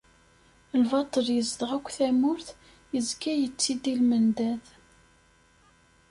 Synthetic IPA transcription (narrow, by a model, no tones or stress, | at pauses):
lvɑt̪ˤːəljəzd̪ʁækʷːθæmʊɾθ | jəzkːæjət͡sːid̪ilmənd̪æð